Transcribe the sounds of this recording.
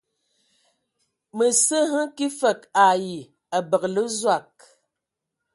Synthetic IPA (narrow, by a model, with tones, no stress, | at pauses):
mə˨sə˦ɦə˦ŋki˦fə˨ka˨ji˨ | a˨bə˨klə˦zwa˦˨k̚